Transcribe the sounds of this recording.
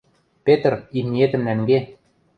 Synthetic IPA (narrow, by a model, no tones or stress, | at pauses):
pʲet̪rimniet̪ɘ̆mnæŋɡe